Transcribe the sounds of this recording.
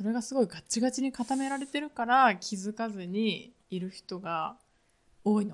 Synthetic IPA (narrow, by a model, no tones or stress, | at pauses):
so̞ɾe̞ɡasɨɡo̞iɡatt͡ɕiɡat͡ɕiɲ̟ikat̪ame̞ɾaɾe̞t̪e̞ɾɯ̟kaɾakʲizɨkazɨɲ̟iː | ɾɯ̟çi̥t̪o̞ɡa | o̞ːino